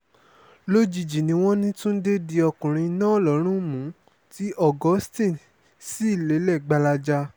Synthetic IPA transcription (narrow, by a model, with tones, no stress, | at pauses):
lo˦d͡ʒi˨d͡ʒi˨nĩ˧w̃ɔ̃˦nĩ˦tũ˦n̩˦de˦di˧ɔ˧kũ˨ɾ̃ĩ˧nã˦˨lɔ˨˦ɾ̃ũ˦mũ˨˦ | ti˦ʔɔ˦˨ɡɔ˨˦stĩ˦˨ | si˦i˦˨le˨˦lɛ˦˨ɡ͡ba˧la˧d͡ʒa˧